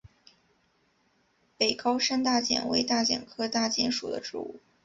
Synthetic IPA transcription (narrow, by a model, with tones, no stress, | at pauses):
pe˨˩ɪkɑ˥ʊʂa˥nt̪̬a˥˩t͡ɕjɛ̰˨˩nwḛ˧˥ɪt̪a˥˩t͡ɕjɛ̰˨˩nkʰɤ˥t̪a˥˩t͡ɕjɛ˥nʂṵ˨˩d̪ə̰˦ʈ͡ʂɻ̩̰˥˧ṵ˥˩